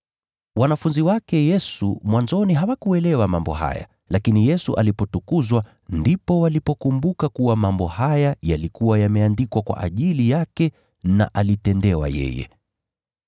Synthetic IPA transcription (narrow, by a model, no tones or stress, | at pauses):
wanafunziwakɛjɛsṵmwanzɔniɦawakuɛlɛwamambɔ̰ha̰ja̰ | lakinijɛsuʔalipɔtukuzwa | ndipɔwalipɔkumbukakuwamambɔhajajalikuwajamɛandikwakwa̰ʔaʄilijakɛ | na̰ʔalitɛndɛwa̰jɛ̰jɛ̰